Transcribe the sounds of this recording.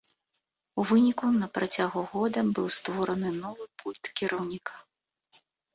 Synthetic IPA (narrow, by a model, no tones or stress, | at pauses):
uvɨnʲikunɐpɾat͡sʲaɣuɣɔd̪ɐbɨwst̪vɔɾɐnɨnɔvɨpulʲt̪kʲiɾʔɐwnʲikʰɐ̥